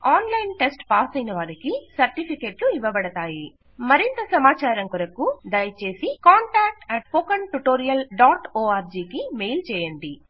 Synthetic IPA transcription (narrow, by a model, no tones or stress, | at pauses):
aːnlɐjnʈesʈpaːsɐjnɐʋaːɾikisɐɾʈipʰikeːʈluiʋɐbɐɽɐt̪aːji | mɐɾint̪ɐsɐmaːt͡ʃaːɾɐŋkɔɾɐkud̪ɐjɐt͡ʃe̞ːsikaːɳʈaːk̚ʈɛʈ̚pokɐɳʈuʈoːɾijɐlɖaːʈoːaːɾd͡ʒiːkimeːjlt͡ʃɛːjɐɳɖi